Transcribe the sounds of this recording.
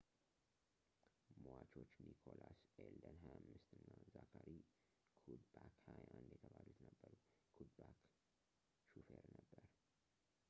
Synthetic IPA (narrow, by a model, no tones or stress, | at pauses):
mowat͡ʃo̞t͡ʃːnikʰolaseld̪ənɦajamːɨst̪ɨnːazakʰaɾi | kʰud̪bakhajand̪jɛt̪ʰəβalut̪nəbːəɾukʰud̪bak | ʃufeɾnəbːəɾ